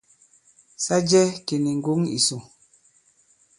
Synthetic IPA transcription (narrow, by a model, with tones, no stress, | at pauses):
sa˦d͡ʒɛ˦ke˨ni˨ŋ̩˦ɡu˨˦ŋḭ˨so˨